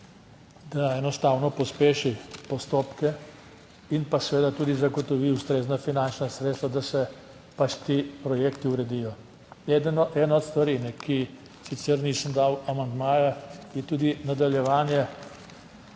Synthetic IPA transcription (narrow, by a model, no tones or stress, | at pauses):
d̪aɛnɔst̪aːwnɔpɔspeːʃipɔst̪oːpkɛ | inpasɛʋeːd̪at̪uːd̪izaɡɔt̪ɔʋiust̪ɾeːznafinant͡ʃnasɾet̪st̪ʋad̪asɛ | pat͡ʃt̪iːpɾɔjekt̪iuɾɛd̪ijɔ | ɛd̪nɔʔɛːnɔt̪st̪ʋaɾinɛki | sit̪sɛɾniːsəmd̪awamand̪maːjajɛt̪uːd̪inad̪aljɛʋaːnjɛ